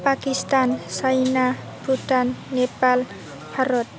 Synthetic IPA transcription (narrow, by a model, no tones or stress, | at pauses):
pakist̪ansajna | bɾuʈanːepal | bʰʱaɾɔt̪̚